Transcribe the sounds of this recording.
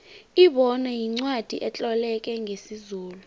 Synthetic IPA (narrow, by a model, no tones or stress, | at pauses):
iɓɔnajiŋ͡ǀwad̥ʱiʔɛt͡ɬʼɔlɛk̬ʼɛŋʱesizuːlu